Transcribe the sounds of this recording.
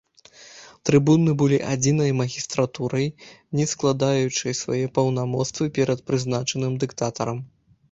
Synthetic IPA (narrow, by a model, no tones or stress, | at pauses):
t̪ɾɨbunɨbɨlʲiʔad͡zʲinɐjmɐɣʲist̪ɾat̪uɾɐjnʲɛsklˠad̪ajut͡ʂɨjsva̰jɛpɐwnamɔt̪st̪vɨpʲɛɾɐt̪̚pɾɨznat͡ʂɐnɨmd̪ɨkt̪at̪ɐɾɐm